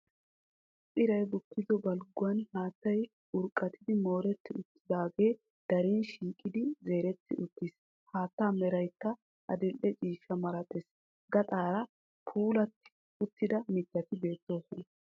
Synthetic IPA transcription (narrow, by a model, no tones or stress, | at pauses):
pʼɪɾɐjbʊkːɪdɔbɐlɡʊɐnhaːt̪ːɐj | ʊɾkʼːɐt̪ɪd̪ɪmo̞ːɾɛt̪ːɪʊt̪ːɪd̪aːɡe̞ː | d̪̥ɐɾiːnʃiːkʼɪd̪ɪze̞ːɾɛt̪ːɪʔʊt̪ːɪs | haːt̪ːaːmɛɾɐjt̪ːɐ | ʔɐ̰d̪ɪlʔɛt͡ʃʼiːʃɐmɐɾɐt̪ʼɛs | ɡɐt̪ʼaːɾɐ | pʰuːlɐt̪ːɪ̥ | ʊt̪ːɪd̪ɐmɪt̪ːɐt̪ɪbe̞ːt̪ːoːku